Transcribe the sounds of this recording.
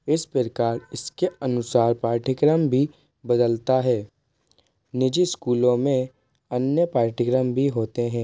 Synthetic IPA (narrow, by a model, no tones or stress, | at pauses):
ɪspɾɪkaːɾɪskeɐnʊsaːɾpaːɾʈʰɪkɾəmbʱi | bɐd̪əlt̪aɦɛː | nɪd͡ʒiskuːlõmẽ | ɐnjəpaːɾʈʰɪkɾəmbʱiɦoːt̪eɦɛ̃ː